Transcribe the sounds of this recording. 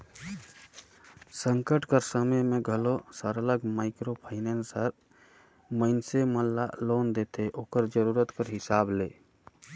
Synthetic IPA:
sə̃ŋkəʈkəɾsəməjmẽɡʱəlosəɾələɡmaɪkɾopʰaɪnɛnsəɾ | məɪnseməlːa̰loːnd̪et̪ʰeʔoːkəɾd͡ʒəɾuɾət̪kəɾɦɪsaːbleː

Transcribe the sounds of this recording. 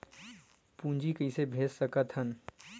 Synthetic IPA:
pũːnd͡ʒikəisebʱeːd͡ʒsəkət̪hən

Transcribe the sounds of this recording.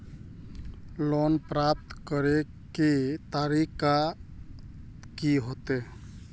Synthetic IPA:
lonpɾap̚t̪kəɾe | ket̪aɾika | kiɦot̪e

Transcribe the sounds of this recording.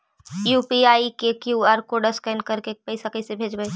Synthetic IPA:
juːpiaːikekjuaːɾkoɖəskɛnkɐɾkepɐɪsakəɪsebʱeːd͡ʒɡəe

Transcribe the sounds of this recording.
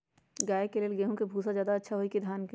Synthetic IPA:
ɡaːekeleːlɡeːɦũkebʱuːsad͡ʒjaːd̪aɐtːʃʰaɦoikid̪ʱjaːnke

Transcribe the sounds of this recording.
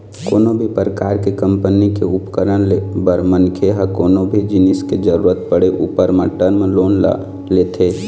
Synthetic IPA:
koːnobʱipɾəkaːɾkekəmpənikeʊpkəɾənlebəɾmənkʰeɦəkoːnobʱid͡ʒɪnɪsked͡ʒəɾuːɾət̪̚pəɽeʔupəɾmãʈəɾmeloːn | let̪ʰe

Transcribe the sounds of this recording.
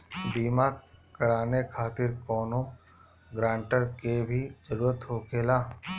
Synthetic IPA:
b̪iːmakəɾaːnekʰaːt̪ɪɾkɔːnõ | ɡɾãːɳʈəɾkebʱid͡ʒəɾuːɾət̪ɦoːkeːlaː

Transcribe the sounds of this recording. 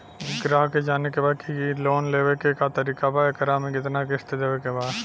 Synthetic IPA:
ɡɾaːɦked͡ʒaːnekebaːd̪kiloːnleːʋekekat̪ɐɾiːkabaekəɾamẽkɪt̪nakɪst̪ed̪eːʋekebaːd̪

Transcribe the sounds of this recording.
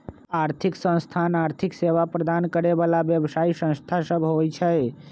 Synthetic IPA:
aɾt̪ʰiksə̃ñst̪ʰanaɾt̪ʰikseʋapɾəd̪ankəɾebalabjəbsaisə̃st̪ʰasəbʱɦojt͡ʃʰɛj

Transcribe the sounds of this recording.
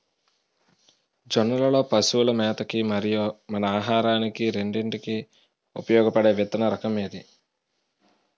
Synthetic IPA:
d͡ʒɐnːɐlɐlo̞ːpɐsuulɐmɛːt̪ɐkimɐɾijomɐnɐaːɦaːɾaːnikiɾe̞ɳɖeɳʈiki | upɐjɔːɡɐpɐɽeːʋit̪ɐnɐɾɐkɐmeːd̪i

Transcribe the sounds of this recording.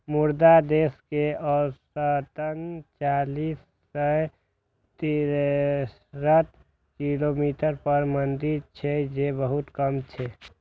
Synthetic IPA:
muɾd̪ad̪eskeɔːɾsət̪ənt͡ʃalisːə | t̪i | ɾət̪ | kilomiʈəɾpəɾmənd̪iɾt͡ʃʰɛd͡ʒebəɦut̪kəmt͡ʃʰɛ

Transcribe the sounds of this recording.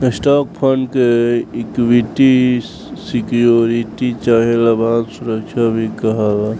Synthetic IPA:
esʈaːk̚pʰənɖkeɪkwiʈi | sikijoɾiʈit͡ʃaːɦelɐbaːnsʊɾəkʃʰabʱikɐɦaʋa

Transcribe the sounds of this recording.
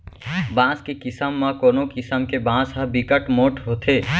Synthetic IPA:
bãskekisəmːə̃koːnokisəmkebãsəɦbikəʈmoʈɦot̪ʰe

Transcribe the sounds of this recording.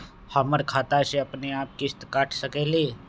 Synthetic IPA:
həməɾkʰaːt̪aʃeəpneaːp̚kɪst̪kaːʈʰsəkeleː

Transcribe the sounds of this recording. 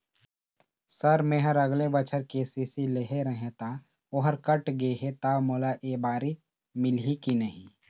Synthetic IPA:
səɾmeːɦəɾɐɡlebət͡ʃʰəɾkeːsisileɦeɾəɦẽt̪a | oɦəɾkəʈɡeeɦet̪aːmoːlaʔeːbaːɾi | mɪlɦikinəɦĩː

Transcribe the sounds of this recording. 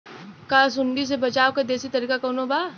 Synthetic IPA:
kaːs̬ʊnɖ̪is̬ebɐt͡ʃaːwkad̪eːsit̪ɐɾiːkakɐːnobaː

